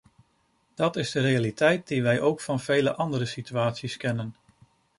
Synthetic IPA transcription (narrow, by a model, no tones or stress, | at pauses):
d̥ɑtɪzdərejalitɛjt̚diʋɛjʔowkfɑnvejlə̰ʔɑndəɾəsityaːtsiskɛnən